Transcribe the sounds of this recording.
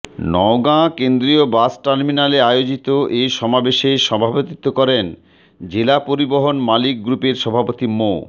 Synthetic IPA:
nɔoɡãkend̪ɾiobasʈaɾminaleajod͡ʑit̪oʔejʃɔmabeʃeʃɔbʱapot̪it̪ːokɔɾen | d͡ʑelapoɾiboɦonmalik̚ɡɾupeɾʃɔbʱapot̪imo

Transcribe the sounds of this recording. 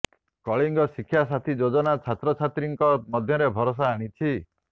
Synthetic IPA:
kɔɭiŋɡɔsikʰːjas̬at̪ʰid͡ʒod͡ʒɔnat͡ʃʰat̪ɾɔt͡ʃʰat̪ɾiŋkɔmɔd̪ʱjɔɾebʱɔɾɔs̬aːɽ̃it͡ʃʰi

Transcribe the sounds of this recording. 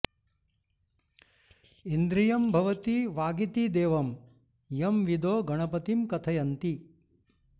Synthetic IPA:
ind̪ɾijɐmbʱɐʋɐt̪iʋaːɡit̪id̪eːʋɐm | jɐmʋid̪oːɡɐɳ̃ɐpɐt̪imkɐt̪ʰɐjɐnt̪i

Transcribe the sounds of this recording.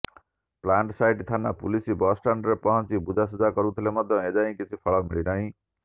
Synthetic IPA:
plaɳʈsajʈt̪ʰanːapulisibʌsʈanɖɾʌpʌɦʌ̃nt͡sibud͡zasud͡zakʌɾut̪ʰilemʌd̪ʱjʌ̃ed͡zaɦĩkit͡sʰipʰʌɭʌmiɭinʌɦĩ

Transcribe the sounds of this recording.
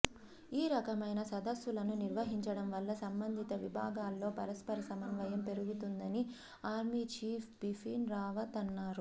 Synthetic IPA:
iːɾɐkɐmɐjnɐsɐd̪ɐsʋulɐnuniɾʋɐɦiɲt͡ʃɐɽɐmʋɐlːɐsɐmbɐnd̪ʱit̪ɐʋibʱa̰ːɡaːlːo̞ːpɐɾɐspɐɾɐsɐmɐnʋɐjɐmpe̞ɾuɡut̪und̪ɐni | aːɾmit͡ʃiːpʰbifʰiːnɾaːʋɐt̪ɐnːaːɾu

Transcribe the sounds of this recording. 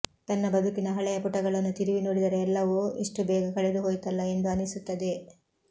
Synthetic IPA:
t̪ɐnːɐbɐd̪ʱukinɐɦɐɭɛjɐpuʈːɐɡɐɭɐnːut̪iɾiʋinoːɽid̪ɐɾeːlːɐʋuiʂʈubɛːɡɐkɐɭed̪uɦoːjit̪ɐlːɐe̞nd̪uɐnːisut̪ːɐd̪e̞

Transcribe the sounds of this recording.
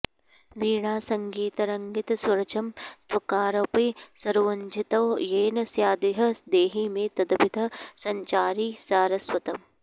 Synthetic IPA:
ʋiːɳaːsɐŋɡiːt̪ɐɾɐŋɡɪt̪ɐsɐɾɐt͡ʃɐmt̪wɐkaːɾɐpisɐɾuːɐɲd͡ʒit̪ɐwjeːnɐsjaːd̪iɦɐsd̪eːɦiːmẽːt̪ɐd̪bʱɪd̪ʱɐsɐɲt͡ʃaːɾiːsaːɾɐswɐt̪ɐm

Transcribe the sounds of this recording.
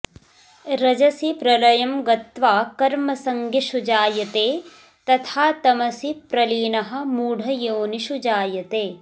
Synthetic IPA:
ɾɐd͡ʒɐsipɾɐlɐjɐmɡɐt̪ʋaːkɐɾmɐsɐŋɡʱiʃud͡ʒaːjɐt̪eː | t̪ɐt̪ʰaːt̪ɐmɐsipɾɐliːnɐɦɐ̆muːɽʱɐjoːniʃud͡ʒaːjɐt̪eː

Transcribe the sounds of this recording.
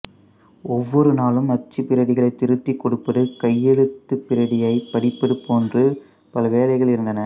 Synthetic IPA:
ɔʋːɔɾɯnaːlɯmɐt͡ʃːɯpɪɾɐɽɪɣɐɭɐɪt̪ːɪɾɯt̪ːikːɔɽɯpːɐɽɯkɐjːɛɻɯt̪ːɯpːɪɾɐɽɪjɐɪpɐɽɪpːɐɽɯpːoːndrɯ | pɐlɐʋeːlɐɪɣɐɭɪɾɯnd̪ɐnɐ

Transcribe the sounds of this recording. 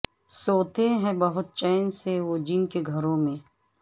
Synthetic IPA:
soːt̪eɦɛ̃bɐɦʊt̪̚t͡ʃɛːnseʋoːd͡ʒinkeɡʱɐɾõmẽː

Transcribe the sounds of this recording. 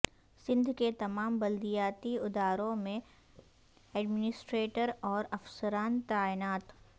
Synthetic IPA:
sɪ̃nd̪ʱket̪ɐmaːmbɐld̪ijaːt̪iɪd̪aːɾõmẽ | ɛːɖmɪnɪsʈɾeːʈəɾɔːɾɐfsəɾaːnt̪aːɪnaːt̪

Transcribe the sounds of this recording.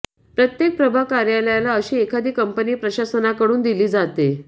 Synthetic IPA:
pɾət̪jek̚pɾəbʱakaɾjaləjalaəɕiːekʰad̪iːkəmpəniːpɾəɕasənakəɽuːnd̪iliːd͡zat̪e

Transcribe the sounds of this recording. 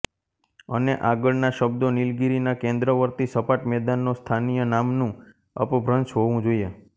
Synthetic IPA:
əneʔaɡəɭnaʃəbd̪onilɡiɾinakẽnd̪ɾəʋəɾt̪isəpaʈmɛd̪anːost̪ʰanijənamnũ | ə̰pbʱɾənt͡ʃɦoʋũd͡ʒoie

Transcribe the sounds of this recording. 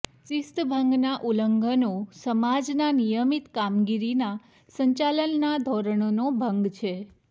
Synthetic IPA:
t͡ʃist̪bʱəŋɡnaʔuləŋɡənosəmad͡ʒnanijəmit̪kamɡiɾina | səɲt͡ʃalənːad̪ʱɔɾəɳonobʱəŋɡt͡ʃʰe

